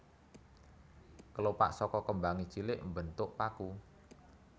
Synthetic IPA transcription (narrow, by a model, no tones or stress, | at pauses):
kəlopa̰ʔsɔkɔkəmbaŋi̥t͡ʃilɪʔmbənt̪ʊʔpaku